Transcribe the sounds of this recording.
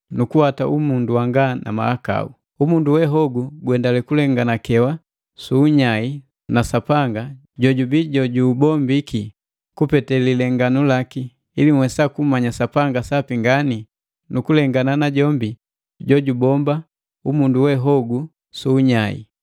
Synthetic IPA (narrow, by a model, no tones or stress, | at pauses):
nukuhataʔumunduwaŋɡanʔa̰ma̰aka̰u | umunduwɛɦɔɡuɡwɛndalɛkulɛŋɡanakɛwa | suːɲai | nasapaŋɡa | ɟɔɟubiɟɔɟuːbɔmbiki | kupɛtɛlilɛŋɡanulaki | ilimwɛsakumaɲasapaŋɡasapiŋɡani | nukulɛŋɡananaɟɔmbi | ɟɔɟubɔmba | umunduwɛɦɔɡu | suːɲaḭ